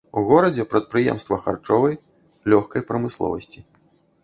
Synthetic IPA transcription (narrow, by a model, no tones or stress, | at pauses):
uɣɔɾɐd͡zʲɛpɾɐt̪̚pɾɨjɛ̰mst̪vɐxa̰rt͡ʂɔvɐj | lʲɔxkɐjpɾɐmɨslˠɔ̰vɐsʲt͡sʲi